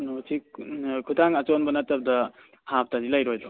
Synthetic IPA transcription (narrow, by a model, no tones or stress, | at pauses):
nosʰikʰudaŋɐt͡ʃonbɐnɐtɐb̚dɐ | hap̚tazilajɾojdɔ